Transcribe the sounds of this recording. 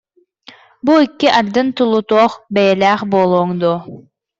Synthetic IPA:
buikːiʔad̪ːɯnt̪ulˠut̪ɔːχbɛjɛlæːχbolˠoːŋd̪u

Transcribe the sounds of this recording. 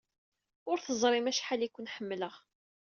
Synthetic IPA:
ʊɾθəzˤɾˤimæʃħalikʷːʊnħəmːləʁ

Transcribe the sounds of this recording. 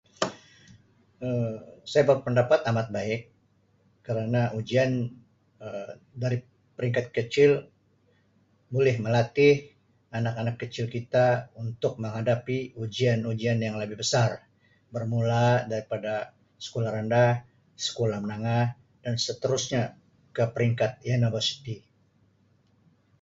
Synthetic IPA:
əsajabapəndapat̪amat̪̚baɪkː | əɾanaʔud͡ʒian | ə | daɾi | pəɾiŋkat̪̚kət͡ʃɪl | bolɛhməlat̪ɪh | anakanakːət͡ʃɪlkit̪aunt̪ʊk̚məŋɦadapiud͡ʒianud͡ʒianjaŋləbɪhbəsar | bərmuladaɾipada | sə̥kolahɾanda | sə̥kolahmənaŋah | dansət̪əɾusɲa | kəpəɾiŋkat̪̚janabasi̥t̪i

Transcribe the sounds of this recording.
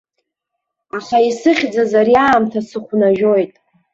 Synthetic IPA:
aχaisɨχʲd͡zazaɾjaːmtʰasɨχʷnaʒᶣo̞jtʼ

